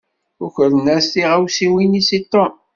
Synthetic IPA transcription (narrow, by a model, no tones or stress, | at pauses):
ʊçəɾənæsθiʁæwsiwinisit̪ːo